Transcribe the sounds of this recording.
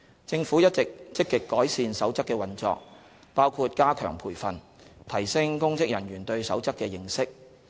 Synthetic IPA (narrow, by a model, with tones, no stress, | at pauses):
t͡sɪ˧ŋfuː˨˥jɐ˥t̚t͡sɪ˨k̚t͡sɪ˥kːɪ˨kːɔː˨˥jsiː˧nsɐ˨˥wt͡sɐ˥kːɛː˧wɐ˨nt͡sɔ̰ː˨˧k̚ | paː˥wkʰuː˧t̚kaː˥kʰœ̰ː˨˩ŋpʰuː˨˩jfɐ˨n | t̪ʰɐ˨˩jsɪ˥ŋkʊ˥ŋt͡sɪ˥k̚jɐ˨˩nɥyː˨˩nt̪ɵ˧ɥsɐ˨˥wt͡sɐ˥kːɛː˧jɪ˨˧ŋsɪ˥k̚